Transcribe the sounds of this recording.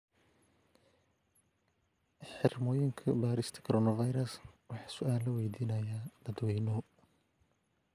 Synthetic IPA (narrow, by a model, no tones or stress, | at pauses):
ħɪrmɔːjɪŋkʰɐbaːɾɪst̪ʰɐ̥kʰɔɾɔːnɐvɐjɾɐswɑħɑ̥ːsʊʔaːllɐwɛjd̪iːnɐjaːd̪̥ɐd̪wɛjnɔ